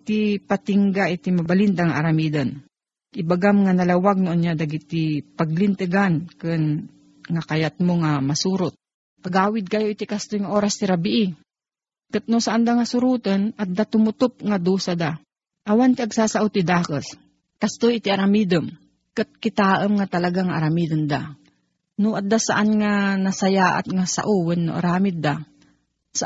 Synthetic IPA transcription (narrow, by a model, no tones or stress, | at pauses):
t̪ipat̪ɪŋɡaʔɪt̪imɐbalind̪aŋaʔːɾamid̪ɐn | ɪbaɡamŋanɐlawaɡ̚noʔonɲad̪aɡit̪ipɐɡlɪnt̪ɨɡankɨn | ŋakɐjat̪̚moŋamɐsuːɾʊt̪̚ | pɐɡaːwɪd̪̚kajoʔit̪ikɐst̪ojŋaʔoːɾast̪ɪɾabɪʔɪ | kɨt̪̚nosaʔand̪aŋasʊɾuːt̪ɐnɐt̪̚d̪at̪ʊmʊt̪ʊp̚ŋad̪uːsad̪a | ʔɐwant̪ɪʔɐɡsaːsaʔot̪ɪd̪aːkəs | kast̪ojɪt̪ɪaɾamid̪əm | kɨt̪̚kɪt̪aːʔəmŋat̪ɐlɐɡaŋaʔɐɾamiːd̪ʊnd̪a | nʊʔat̪̚d̪asaʔanŋanɐsɐjaʔa̰t̪ŋasa̰ʔuwənːo̰ʔa̰ɾaːmɪd̪̚ːa | sa